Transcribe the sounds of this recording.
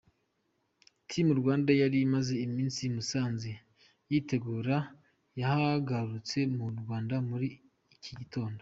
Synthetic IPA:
tʰimuɾɡwaːndajaɾimaze̞imiːnsimusaːnze | jite̞ɡuːɾa | jahaɡaɾut͡se̞muɾɡwaːndamuɾi | cʰiɟitʰo̞ːndo

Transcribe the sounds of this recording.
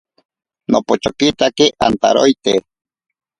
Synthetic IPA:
nopot͡ʃokit̪akiʔant̪a̰ɾojt̪e

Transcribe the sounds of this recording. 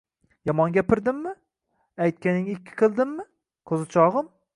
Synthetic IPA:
jɒmɒŋɡʲapʰɪɾd̪ɪmːɪ | ajt̪̚kʲanɪŋɪɪkʲʰːɪ̥qʰɨlˠd̪ɪmːɪ | kʰɵzɪt͡ʃʰɒʁɨm

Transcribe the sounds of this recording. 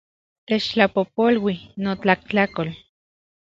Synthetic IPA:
t̪et͡ʃt͡ɬapopolwinot͡ɬak̚t͡ɬakol

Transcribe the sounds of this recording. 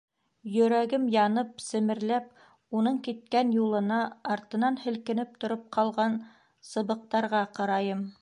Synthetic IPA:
jɵ̆ɾæɡɘmjɑnɤp̚sɘ̆mɘ̆ɾlæp̚ | unɤɴkit̪̚kænjulˠɤ̆nɑɑɾt̪ɤ̆nɑnhɘ̆lkɘ̆nɘp̚t̪ŏɾop̚qʰɑlˠʁɑn | sɤ̆βɤ̆q̚t̪ɑɾʁɑqɑɾɑjɤm

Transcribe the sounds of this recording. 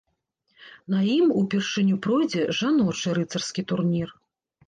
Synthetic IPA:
n̪ɐjimupʲɛrʂɨnʲupɾɔjd͡zʲɛʐanɔt͡ʂɨɾɨt̪sɐrskʲit̪urnʲir

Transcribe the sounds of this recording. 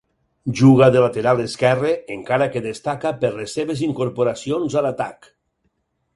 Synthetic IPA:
ʒuɣ̞aðelat̪eɾalˠeskɛreeŋkaɾakeðest̪akapeɾlesːeβeziŋkoɾpoɾasionzalat̪ak

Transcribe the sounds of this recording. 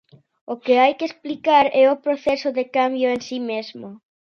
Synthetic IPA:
ʊkɪajkɪesplikaɾɛʊpɾoθɛsʊðekambjʊensimezmʊ

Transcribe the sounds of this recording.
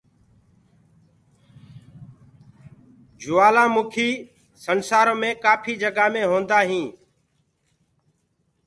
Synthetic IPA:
d͡ʒʊʋaːlãːmʊkʰiː | sənsaːɾõːmẽːkaːpʰiːd͡ʒəɡaːmẽːɦõːnd̪aːɦĩː

